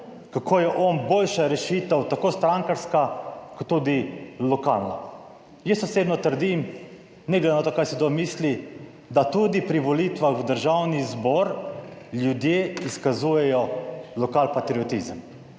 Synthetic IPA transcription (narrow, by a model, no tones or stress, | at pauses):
kakʰoːjɛʔɔnboːlʃaɾɛʃit̪əwt̪akoːst̪ɾaŋkaɾskakɔt̪ːud̪ilɔkalna | jəsɔseːbnɔt̪əɾd̪im | nɛɡled̪enat̪oːkaɾsid̪omisli | d̪at̪ud̪ipɾiʋɔlit̪ʋaxwd̪əɾʒawnizbɔɾljud̪jeiskazujɛjɔlɔkalpat̪ɾiɔt̪izəm